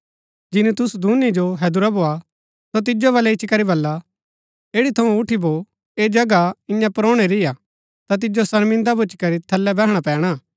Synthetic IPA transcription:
d͡ʒɪnit̪ʊsud̪ʱuːnid͡ʒoɦɛːd̪ʊɾaboːa | sot̪̬ɪd͡ʒoβɐlɛɪt͡ʃːʰikɐɾibɐlːa | eːɽit̪ʰɐũʊʈʰibo | eːd͡ʒɐɡaɪ̃jãpɾoːɽ̃eɾɪja | t̪at̪̬ɪd͡ʒosɐɾmɪ̃nd̪abʊt͡ʃkɐɾit̪ʰɐlːɛbɛɦɽ̃apɛ̃ːɽ̃a

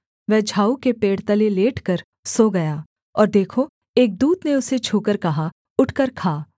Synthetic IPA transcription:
ʋɛɦd͡ʒʱaːukepeːɽt̪əleleːʈʰkɐɾ | soːɡɐjaː | ɔːɾd̪eːkʰo | eːk̚d̪uːd̪neʊset͡ʃʰuːkəɾkɐɦa | ʊʈʰkəɾkʰaː

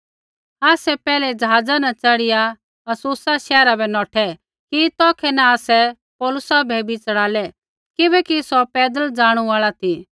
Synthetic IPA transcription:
aːsɛpɛːlɛd͡ʒɐɦaːd͡zanɐt͡ʃɐɽɪja | ɐsʊːsaʃɛːɾabʱɛnɔːʈʰɛ | kit̪ɔːkʰɛnaaːsɛ | pɔːlʊsabʱɛbit͡sɐɽaːlɛ | kɪbɛkisɔpɛːd̪əld͡ʒaːɽ̃uaːɭat̪ʰi

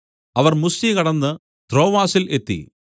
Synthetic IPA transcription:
ɐʋɐrmusikɐɽɐnːɨ | t̪ro̞ːʋaːsile̞t̪ːḭ

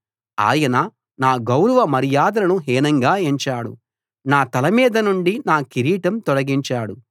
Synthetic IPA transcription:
a̰ːjɐnɐ | naːɡɐwɾɐʋɐmɐɾijaːd̪ɐɾɐnuɦɛːnɐŋɡaːeɲt͡ʃaːɽṵ | naːt̪ɐlɐmiːd̪ɐnuɳɖinaːkiɾiːʈɐmt̪ɔɽɐɡiɲt͡ʃaːɽu

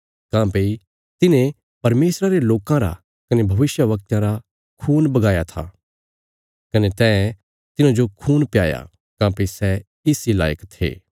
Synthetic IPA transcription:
kãːpei | t̪ɪnẽ | pɐɾmeːsɾaɾeloːkãɾa̰ | kɐnebʱɐʋɪsjəʋɐk̚t̪jãɾa | kʰuːnbɐɡaːjat̪ʰa̰ | kɐnet̪ɛ̃ː | t̪ɪnãd͡ʒokʰuːnpja̰ːja̰ | kãːpeisɛ | ɪsila̰ːjəkt̪ʰːḛː

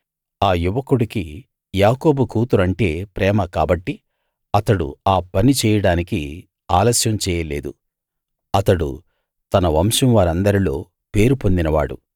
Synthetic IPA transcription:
aːjuʋɐkuɽiki | jaːko̞ːbukuːt̪uɾɐɳʈe̞ːpɾɛːmɐkaːbɐʈːi | ɐt̪ɐɽṵaːpɐnit͡ʃɛːjɐɽaːniki | aːlɐsjɐmt͡ʃɛːjɐle̞̰ːd̪u | ɐt̪ɐɽṵ | t̪ɐnɐʋɐmʂɐmʋaːɾɐnd̪ɐɾilo̞̰ː | pe̞ːɾupo̞nd̪inɐʋa̰ːɽṵ

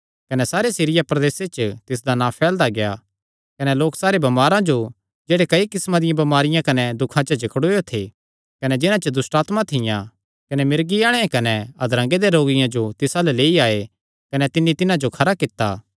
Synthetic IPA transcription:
kɐnɛsaːɾesiɾɪjapɾɐd̪eːset͡ʃt̪ɪs̬d̪anãpʰɛːld̪aɡeja | kɐnɛloːksaːɾebɐmaːɾãd͡ʒo | d͡ʒeːɽekɐikɪsmãd̪ɪjãbɐmaːɾɪjãkɐnɛd̪ʊkʰãt͡ʃəd͡ʒɪkɽojot̪ʰe | kɐnɛd͡ʒɪnãt͡ʃəd̪ʊsʈaːt̪mãt̪ʰɪjã | kɐnɛmɪɾɡiaːɽ̃ɛẽkɐnɛɐd̪ɾɐ̃ŋɡed̪eɾoːɡɪjãd͡ʒot̪ɪsalɛleːiaːe | kɐnɛt̪ɪnːit̪ɪnãd͡ʒokʰɐɾakɪt̪ːaː

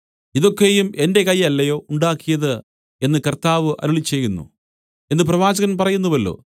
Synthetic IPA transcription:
iðo̞kːe̞jume̞nde̞kɐjɐlːɐjo̞ːuɳɖaːkːijɐðɨ | e̞nːɨkɐrt̪aːʋɨʔɐ̰ɾuɭit͡ɕːe̞jːunːṵ | e̞nːɨp̬rɐʋaːd͡ʑɐɣɐnpɐrɐjunːɐʋɐlːo̰ː

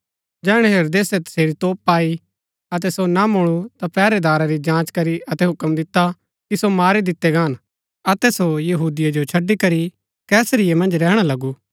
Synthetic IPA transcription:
d͡ʒɛːɽ̃ɛ̃ɦeɾoːd̪eːsɛt̪ɐ̥seːɾit̪oːpːaːi | ɐt̪̬ɛsonamʊɭ̃ut̪apɛːɾed̪aːɾaɾid͡ʒãːt͡ʃkɐɾiɐt̪ɛɦʊkəmd̪ɪt̪ːa | kisomaːɾid̪ɪt̪ːɛɡaːn | ɐt̪ɛsojɐɦuːd̪ɪjad͡ʒot͡ʃʰɐɖːikɐɾi | kɛːsɾɪjemɐ̃nd͡ʒɾɛːɽ̃alɐɡuː

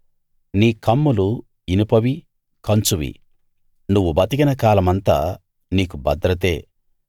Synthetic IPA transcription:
niːkʰɐmːulu | inipoʋi | kɐnt͡ʃuʋḭ | nuʋːubɐt̪iɡinɐkaːlɐmɐnt̪a̰ː | niːk̬ubɐ̰d̪ɾɐt̪e̞ː

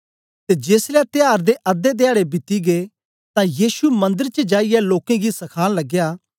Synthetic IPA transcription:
t̪ed͡ʒeːslɛt̪ɪjaːɾd̪eʔɐd̪ed̪ɪaːɽebɪt̪iɡe | t̪ãjiːsumɐ̃nd̪əɾt͡ʃəd͡ʒaːijɛloːkẽɡisɐkʰaːnlɐɡjaː

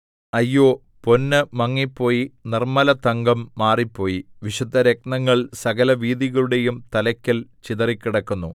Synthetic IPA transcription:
ɐjːo̞ː | po̞nːɨmɐŋːipːo̞ːjinirmɐlɐt̪ɐŋɡɐmːaːripːo̞ːjiʋiʂud̪ʱːɐɾek̚nɐŋːɐɭsɐɣɐlɐʋiːðiɣɐɭuɽe̞jumt̪ɐlɐkʲːɐlt͡ɕiðɐrikʲːiɽɐkːunːu

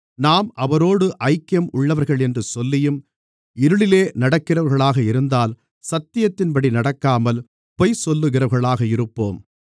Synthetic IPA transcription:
naːmʔɐʋɐɾoːɽɯʔɐɪkːɐmʊɭːɐʋɐɾɣɐɭɛndrɯsɔlːɪjɯm | ɪɾɯɭɪleːnɐɽɐkːɪrɐʋɐɾɣɐɭaːɣɐɪɾɯnd̪aːl | sɐt̪ːɪjɐt̪ːɪnpɐɽinɐɽɐkːaːmɐl | pɔjsɔlːɯɣɪrɐɾɣɐɭaːɣɐɪɾɯpːo̰ːm

